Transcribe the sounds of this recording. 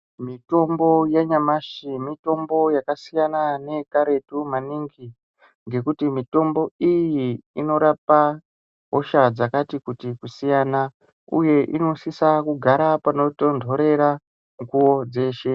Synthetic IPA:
mito̞mbo̞jaɲamaʃimito̞mbo̞jakasijanane̞kaɾe̞tumaniŋɡi | ŋɡe̞kutimito̞mbo̞ijiino̞ɾapa | ɦoʃad͡zakatikutikusijaːna | ṵje̞ʔino̞sisakuɡʱaɾapano̞tondʱo̞ɾe̞ɾa | ŋɡuwo̞d͡ze̞ːʃe̞

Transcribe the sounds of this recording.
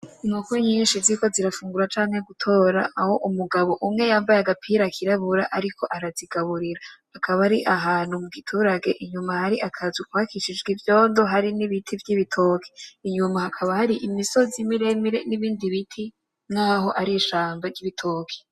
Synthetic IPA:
nukoɲiːnʃiziko̞ziɾafuːŋɡuɾat͡ʃaːŋe̞ɡutʰo̞ɾa̰aho̞ʔumuɡaβo̞ʔumŋe̞jaːmbajaɡapʰiːɾakʰiɾaβuɾaʔaɾikʰo̞ʔaɾaziɡaβuɾiɾahakʰaβaɾiʔaɦaːnhumuɡitʰuːɾaɡe̞ʔiɲumahaɾiʔakʰazukwaːkʰiʃid͡ʒɡivjo̞ːndoɦaɾiniβitʰivjiβitʰo̞ːkʰi̥iɲumahakʰaβahaɾiʔimiso̞zimiɾemiɾeniβiːndiβitʰi | nŋ̥aːɦo̞ʔaɾiʃaːmbaɾɟiβitʰoːkʰi̥

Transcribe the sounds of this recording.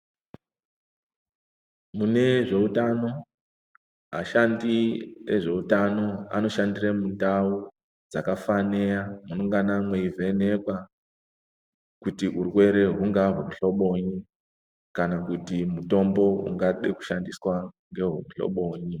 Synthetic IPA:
mune̞ʐe̞utano̞ | ɦa̰ʃandieʐe̞utano̞a̰no̞ʃandiremutau | d͡zakafane̞jamunoŋɡanamweivʱe̞ne̞kwa | kutiurwe̞ɾe̞ɦuŋɡaɦum̩ɬo̞ɓo̞ɲi | kanakutimuto̞mbo̞ṵŋɡaɗeku̥ʃandiswaŋɡe̞ɦumɬo̰ɓo̞ːɲi

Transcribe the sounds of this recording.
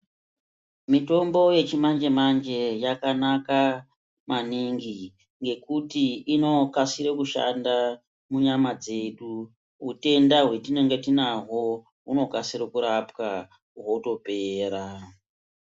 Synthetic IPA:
mito̞mbo̞je̞t͡ʃimaɲd͡ʒe̞maɲd͡ʒe̞jakanaka | maniŋɡi | ŋɡe̞kutiino̞kasiɾekuʃa̰nda | muɲamad͡ze̞ɗu | ɦute̞ndaɦwe̞tine̞ŋɡetinaɦo | uno̞kasiɾekuɾapka | ɦo̞to̞pe̞ːɾa

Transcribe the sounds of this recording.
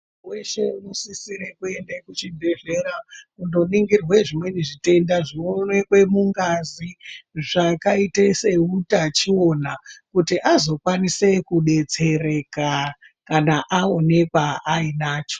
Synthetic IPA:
we̞ʃe̞musisiɾe̞kue̞ndekut͡ʃibʱe̞ʐe̞ɾakundo̞niŋɡirwe̞ʐimwe̞niʐite̞ndaʐionwe̞kwe̞muŋɡaziʐakaitese̞utat͡ʃio̞nakutiʔazo̞kwanise̞kuɗe̞t͡se̞re̞ka | kanaʔao̞ne̞kaainaːt͡ʃo̞̥

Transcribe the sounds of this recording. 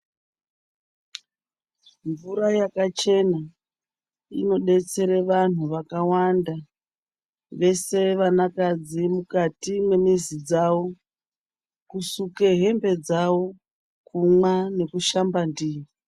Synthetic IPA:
ɱvuɾajakat͡ʃe̞na | ino̞ɗe̞t͡se̞ɾeʋan̤uʋakawanda | ʋe̞se̞ʋanakad͡zimukatimwe̞mizid͡zawo̞ | kusuke̞ɦe̞mbe̞d͡zawo̞ | kumwane̞kuʃambandiːi

